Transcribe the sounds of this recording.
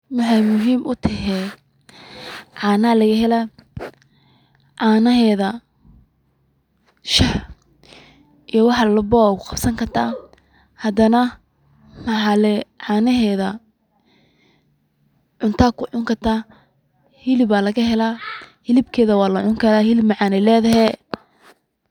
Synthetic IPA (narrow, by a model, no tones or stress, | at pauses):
mɑħɑjmʊɦiːmʔʊt̪ʰɐɦɛ | ʕɑːnaːlɐɣɐɦɛla | ʕɑːnɐɦɛːðɐ | ʃɐħ | ʔijɔwɑħɑlʊbɔkqɑbsɐŋkʰɐrt̪ʰaː | hɐd̪ɐnɐ | mɐħɑlɛʕaːnɐɦɛːðɐ | ʕʊnt̪ʰaːkʰʊʕʊŋkʰɐrt̪ʰaː | hɪlɪbaːlɐɣɐɦɛlaːhɪlɪbkʰɛːðɐwɑːlɐʕʊŋkʰɐɾaːhɪlɪbmɑʕaɑːnɛlɛːðɐɦɛː